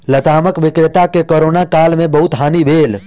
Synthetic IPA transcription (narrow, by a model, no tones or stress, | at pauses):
lət̪aːməkʋɪkɾɪt̪akekoːɾoːnakaːlmẽbɐɦut̪ɦaːniʋeːl